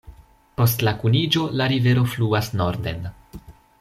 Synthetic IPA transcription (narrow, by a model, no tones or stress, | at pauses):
po̞stlakunid͡ʒo̞laɾive̞ɾo̞fluasno̞ɾd̪e̞̰n